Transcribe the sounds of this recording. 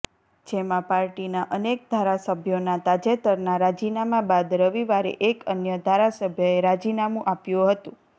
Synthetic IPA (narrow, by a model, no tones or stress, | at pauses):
d͡ʒemãpaɾʈinaʔənek̚d̪ʱaɾasəbʱjonat̪ad͡ʒet̪əɾnaɾad͡ʒinamãbad̪ɾəʋiʋaɾḛʔekənjəd̪ʱaɾasəbʱjoeɾad͡ʒinamũʔapjũɦət̪ũ